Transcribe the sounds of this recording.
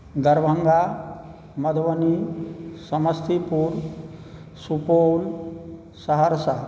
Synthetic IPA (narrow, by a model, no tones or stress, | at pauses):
d̪əɾbʱəŋɡa | mɐd̪ʱʋənisɐməst̪ʰipuɾ | supol | səɦəɾsa